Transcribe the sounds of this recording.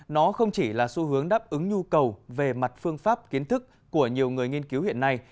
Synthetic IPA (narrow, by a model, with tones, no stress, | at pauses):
nɔ˨˦xə˧wŋ͡mt͡ɕi˧˩laː˨˩su˧˦hɨ˨˦əŋɗaː˦˥p̚ʔɨ˨˦ŋɲu˧kə˨˩wve˨˩ma˨˩t̚fɨ˧əŋfaː˦˥p̚ki˨˦ənt̪ɨ˦˥k̚ːu˧˩əɲi˨˩əwŋɨ˨˩əjŋi˧ənki˨˦whḭ˧˨ənːa˧j